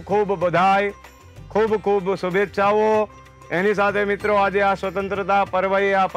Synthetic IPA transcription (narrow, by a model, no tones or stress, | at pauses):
kʰuːbbəd̪ʱaːj | kʰuːbkʰuːbsʊbʱet̪ːʃaːʋo | eːnis̬aːt̪ʰemɪt̪ɾoaːd͡ʒasʋət̪ə̃nt̪ɾət̪apɐɾʋəeap